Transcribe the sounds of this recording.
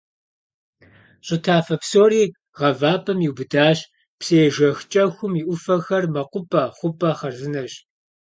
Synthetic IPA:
ɕʼɪtʰaːfɐpsoːɾiː | ʁɐvaːpʰʼɐmiwbɨdaːɕ | pseːʒɐxt͡ʃʼɐxʷʊmiʔʷʊfɐxɐrmɐqʷʊpʼɐχʷʊpʼɐχɐrzɨnɐɕ

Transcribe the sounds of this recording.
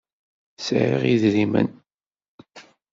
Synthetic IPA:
sʕɾḭʁiðɾimə̰n

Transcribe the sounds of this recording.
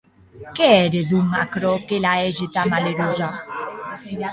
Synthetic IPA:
keɛɾed̪umakɾɔkelaɛʒet̪amaleɾuza

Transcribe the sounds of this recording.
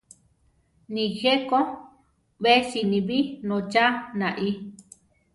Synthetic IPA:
nĩheko | βesinĩβinõt͡ʃanãʔi

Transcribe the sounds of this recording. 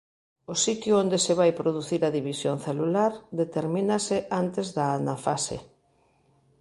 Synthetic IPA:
ʊsit̪jʊond̪eseβ̞ajpɾoð̞uθiɾaðiβisjoŋθelulaɾd̪et̪eɾmĩnaseʔant̪ezðaanafasḛ

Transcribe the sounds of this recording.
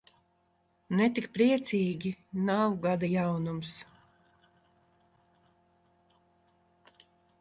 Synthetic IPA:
nɛt̪ikpɾiɛt̪sʲiːɡʲinawɡad̪ajawnums

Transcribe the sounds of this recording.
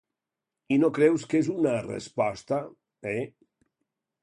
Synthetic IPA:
inokɾɛwskezunarḛspɔst̪a | ɛ

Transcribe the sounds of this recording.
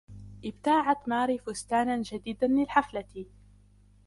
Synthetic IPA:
ʔɪb̚t̪aːʕat̪maːɾiːfʊst̪aːnand͡ʒad̪iːd̪anlɪlħaflat̪

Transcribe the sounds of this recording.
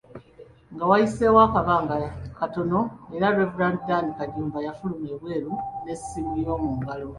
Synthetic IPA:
ŋɡawajise̞wakaβaːŋɡakato̞no̞eɾaɾevuɾaːnddanikaɲuːmvajafulumeβwe̞ːɾune̞simulijo̞ːmuːŋɡalo̞

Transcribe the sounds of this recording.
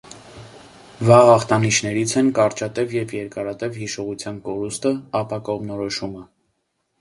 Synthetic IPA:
vɑɦɑχt̪ɑniʃʰnɛɾit͡sʰɛnkɑɾt͡ʃɑt̪ɛvjɛvjɛɾkɑɾɑt̪ɛvhiʃɔʁut͡sʰjɑnkɔɾust̪əɑpɑkɔʁmnɔɾɔʃumə

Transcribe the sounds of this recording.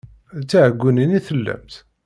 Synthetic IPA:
t͡sːaʕəɡʷːuniniθəlːæ̰mt̪

